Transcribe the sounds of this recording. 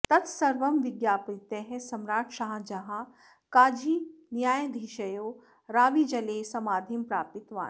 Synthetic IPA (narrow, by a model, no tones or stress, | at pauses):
t̪ɐt̪sɐɾʋɐmʋɪɡjaːpɾit̪eɦsɐmɾaːʈʃaːɦd͡ʒɐɦã | kaːd͡ʒiːnjaːjd̪ʱiʃɐjoː | ɾaːʋid͡ʒɐlesɐmaːd̪ʱimpɾaːpɪt̪ʋa̰ːn